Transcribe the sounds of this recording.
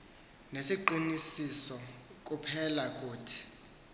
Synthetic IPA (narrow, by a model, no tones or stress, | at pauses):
nesiǃinisisɔk̬ʼupʰɛlakʼuːtʰi̥